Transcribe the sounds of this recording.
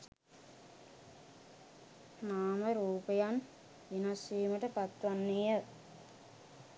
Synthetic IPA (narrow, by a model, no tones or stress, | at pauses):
naːməɾuːpəjan | ʋinasiːməʈəpat̪ʋanːejə